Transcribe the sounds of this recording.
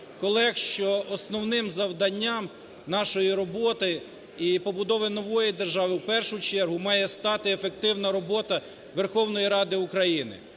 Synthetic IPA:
kɔlˠɛxʃt͡ʃɔːsnɔwnɪmzɐwd̪ɐnʲːam | nɑʃɔjiɾɔbɔt̪ɪ | ipɔbʊd̪ɔʋɪnɔʋɔjid̪erʒɑʋɪwpɛrʃʊt͡ʃɛrɦʊmɑjɛst̪ɑt̪ɪefek̚t̪ɪwnɐɾɔbɔt̪ɐ | ʋerxɔwnɔjiɾɑd̪ɪukɾɐjinɪ̰

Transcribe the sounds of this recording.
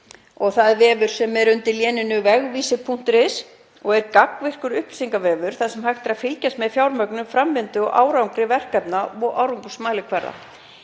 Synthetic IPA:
ɔɣθaðvɛːvʏɾ̥sɛmːɛðɾʏnt̪ɪljɛːnɪnʏvɛɣviːsɪpʰun̥t̪ɾɪs | ɔɣɛɾkakvɪr̥kʏɾʏhplsiŋkavɛːvʏɾ̥θaðsɛmhajxt̪ɪɾaðfɪlcast̪mɛðfjawɾmœknʏmfɾamvɪnt̪ʏɔɣʔa̰ːwɾawŋkɾɪvɛr̥kɛpnaɔʔawɾuŋkʏ̥smaːlɪkʰvɛɾða̰

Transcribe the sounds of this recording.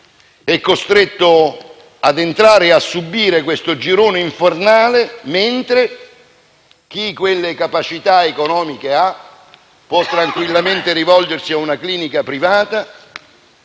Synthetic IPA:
ɛkːost̪ɾet̪ːʊ | ad̪ent̪ɾaːɾeasːubːiːɾekwest̪ʊd͡ʒiɾoːneiɱfornaːlement̪ɾe | k̟ikwelːekapat͡ʃit̪aekonɔːmikea | pːwɔt̪ːɾaŋkwilːament̪eɾivɔld͡ʒersiaunakliːnikapɾivaːt̪a

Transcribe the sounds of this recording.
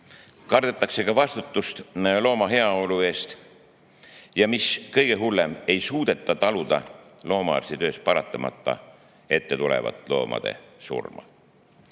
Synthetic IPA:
kɑrd̪̥et̪ːˑɑkse̞kɑvɑst̪ut̪ːˑust̪lo̞ːmɑɦe̞ɑo̞lue̞ːst̪ | jɑmiskɤjɡ̥e̞ɦulːe̞me̞jsuːd̪̥e̞t̪ːˑɑt̪ɑlud̪̥ɑlo̞ːmɑɑ̰rsit̪ø̞ːspɑɾɑt̪ːˑɑmʔɑ̰t̪ːˑɑ̰ | e̞t̪ːe̞t̪ulḛvɑ̰t̪ˑlo̞ːmʔɑ̰d̪̥e̞̰sṵrmɑ̰

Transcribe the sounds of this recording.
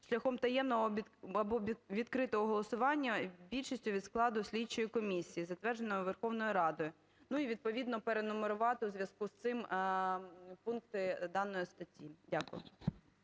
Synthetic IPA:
ʃlʲɐxɔmt̪ɐjɛmnɔɦɔɐbɔʋʲid̪kɾɪt̪ɔɦɔɦɔlˠɔsʊʋɑnʲːɐbʲilʲʃisʲtʲʊʋʲid̪sklˠɑd̪ʊsʲlʲit͡ʃːɔjikɔmʲisʲijizɐt̪ʋɛrd͡ʒenɔjʊʋerxɔʋnɔjiɾɑd̪ɔjʊ | nuiʋʲid̪̚pɔʋʲid̪nɔpeɾenʊmeɾʊʋɑt̪ɪwzʲʋʲjɐskust̪ɪm | punkt̪ɪd̪ɑnɔjist̪ɐtʲːidʲakʊ̰jʊ̰

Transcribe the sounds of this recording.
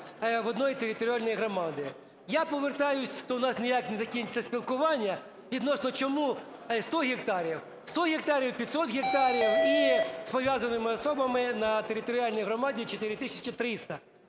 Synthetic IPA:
ʋɔd̪nɔjit̪eɾʲɪt̪ɔɾʲɪalʲnɔjɦɾɔmɑd̪ɪ | japɔʋert̪ɑjʊsʲʃt̪ɔʊnɑsnʲɪjaknɛzɐkʲinʲt͡sʲːɐsʲpʲilˠkʊʋɑnʲːɐ | ʋʲid̪nɔsnɔt͡ʃɔmu | st̪ɔɦʲikt̪ɑɾʲiw | st̪ɔɣʲɪkt̪ɑɾʲiwpʲit̪sɔt̪ɣʲik̚t̪ɑɾʲiwispɔʋʲjazɐnɪmɪɔsɔbɐmɪnɐt̪eɾʲɪt̪ɔɾʲɪalʲnʲijɦɾɔmɑdʲit͡ʃɔt̪ɪɾʲɪt̪ɪsʲɐt͡ʃɪt̪ɾɪst̪ɐ

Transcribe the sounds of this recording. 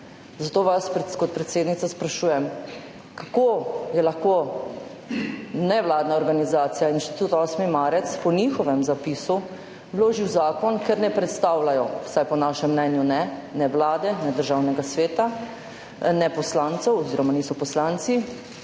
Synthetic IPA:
zat̪oːʋaskɔt̪̚pɾɛt̪seːd̪nit̪saspɾaʃuːjɛm | kakojɛlaxko | nɛʋlaːd̪naɔɾɡanizaːt̪sijainʃt̪i̥t̪ut̪ɔsmimaːɾɛt̪spɔnixɔʋɛmzapisu | wloːʒiwzaːkɔnkɛɾnɛpɾɛt̪st̪awlajɔwsajpɔnaʃɛmːnɛnjunɛnɛʋlaːd̪ɛnɛd̪əɾʒaːwnɛɡasʋeːt̪a | nɛpɔslaːnt̪sɛwɔziːɾɔmaniːsɔpɔslant̪si

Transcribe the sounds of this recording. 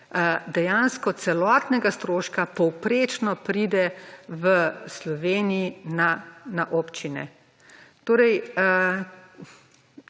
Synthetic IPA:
d̪ɛjanskɔt̪sɛlɔːt̪nɛɡast̪ɾoːʃkapɔwpɾeːt͡ʃnɔpɾid̪ɛʋəslɔʋeːniinanaʔoːpt͡ʃinɛ̰ | t̪oːɾɛj

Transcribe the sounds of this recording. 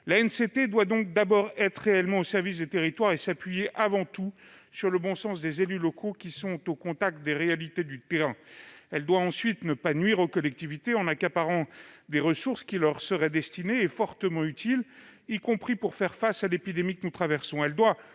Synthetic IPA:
laɛnset̪ed̪wad̪ɔ̃k̚d̪abɔʁɛt̪χːeɛlmɑ̃osɛʁvis̬d̪et̪eʁit̪waʁesapɥijeʔavɑ̃t̪u | syʁləbɔ̃sɑ̃sd̪ezelylɔkʰokʲisɔ̃t̪okɔ̃t̪ak̚t̪̚d̪eʁealit̪ed̪yt̪eʁɛ̃ɛld̪waɑ̃sɥit̪nəpanɥiʁokɔlɛk̚t̪ivit̪eɑ̃nakapaʁɑ̃d̪eʁəsuʁskʲilœʁsəʁɛd̪ɛst̪ineːfɔʁt̪əmɑ̃yt̪ʰilikɔ̃pχipuʁfɛʁfasalepid̪emikənut̪χavɛʁsɔ̃ɛld̪wa

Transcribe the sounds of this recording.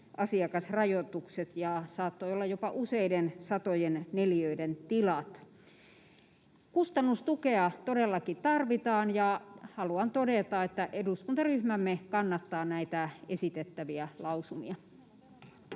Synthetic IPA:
ʔɑsiɑkɑsrɑjot̪ukset̪jɑsɑːt̪ːoiolːɑjjopɑʔuseidensɑt̪ojenneliøident̪ilɑt̪ | kust̪ɑnːust̪ukeɑt̪odelːɑkit̪ɑrʋit̪ɑːnjɑhɑluɑnt̪odet̪ɑet̪ːæʔeduskunt̪ɑryhmæmːekɑnːɑt̪ːɑːnæit̪æesit̪et̪ːæʋiælɑusumḭɑ

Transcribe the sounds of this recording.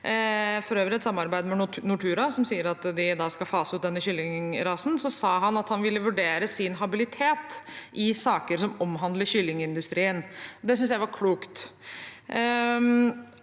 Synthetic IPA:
fɔɾøːʋɾəɛt̪sɑmːɑɾbæɪd̪əmɛnʊʈʰʉːɾɑsɔmsiːəɾɑt̪d̪ɪd̪ɑːskɑlfɑːsəʉːd̪ɛnːəçʏlːɪŋɾɑːsn̩sɔsɑːɦɑnɑt̪hɑnʋɪlːəʋʉɖeːɾəsɪnɦɑbɪlɪt̪ʰeːt̪ʔɪsɑːkəɾsɔmɔmɦɑnd̪ləɕʏlːɪŋɪnd̪ʉst̪ɾiːənɔd̪ɛs̬ʏnsjæɪʋɑɾkʰluːkt̪

